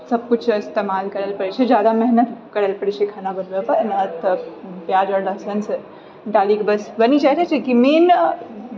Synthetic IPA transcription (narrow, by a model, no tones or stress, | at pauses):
sɐb̚kut͡ʃʰɪst̪emaːlkɐɾəlpɐɽt͡ʃʰed͡ʒjaːd̪amɛɦnət̪kɐɾəlpɐɽt͡ʃʰekʰanabənbepənət̪ʰpjad͡ʒəɽləsəns | d̪aːlikbɐsbɐnit͡ʃat̪ʰat͡ʃʰekimeːn